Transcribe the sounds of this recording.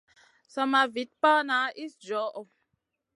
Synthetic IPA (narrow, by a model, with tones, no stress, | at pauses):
sa˧ma˨vi˨˦t̚pa˦na˨˦ʔi˦sd͡ʒɔ˨˦ʔɔ˨